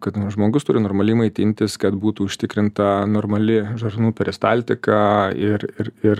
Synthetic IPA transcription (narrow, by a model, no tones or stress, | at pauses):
kɐt̪ʒmoːɡʊst̪ʊɾʲɪnoːɾmɐlʲɪːmɐɪt̪ʲɪnʲt̪ʲɪskɐt̪buːt̪uːʊʃʲt̪ʲɪkɾʲɪnt̪ɐnoːɾmɐlʲɪʒɐɾnuːpʲɛɾʲɛst̪ɑːlʲt̪ʲɪkɑːɪɾɪɾɪɾ